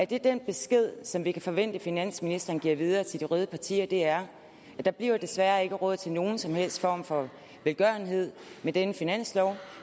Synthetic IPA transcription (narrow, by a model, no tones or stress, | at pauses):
æɐd̥e̝d̥enb̥e̝sɡ̥e̝ð̞̰ˠsɒ̽mʋikʰæfɒ̽ʋen̰d̥əfinæn̰sminisd̥ɐːnɡ̥iɐ̰ʋið̞ˠɐːt͡sʰe̝ld̥iʁœð̞ˠəpʰɑ̈t͡sʰḭːɐd̥e̝æɐ | æd̥ɑ̈b̥liɐd̥e̝sʋæːɐe̝ɡ̥əʁɔ̽ð̞̰ˠt͡sʰe̝lno̝ːn̩sɒ̽mhel̰sd̥fɒ̰ːmfɒ̽ | ʋelɡ̥ɶɐnɦe̝ð̞̰ˠmed̥enəfinæn̰slɒʊ